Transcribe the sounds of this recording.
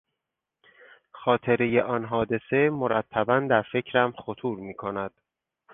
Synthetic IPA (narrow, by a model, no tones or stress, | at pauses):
xɒːt̪ʰe̞ɾeje̞ʔɒːnɦɒːd̪e̞se̞moɾæt̪ʰːæbænd̪æɾfe̞cʰɾæmxot̪ʰuːɾmiːkʰonæd̪̥